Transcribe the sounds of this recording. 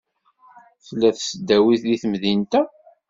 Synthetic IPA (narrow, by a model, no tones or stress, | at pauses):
θlːæθsəd̪æwiθliθmðint̪æ